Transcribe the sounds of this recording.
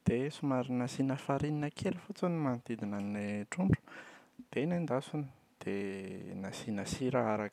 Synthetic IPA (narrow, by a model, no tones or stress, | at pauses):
d̪̥esumaɾinasinəfaɾininəkʰelifut͡sunimanit̪id̪inaneʈ͡ʂuɳɖ͡ʐu̥d̪̥enend̪asunə̥ | d̪̥enasinasiɾaaɾak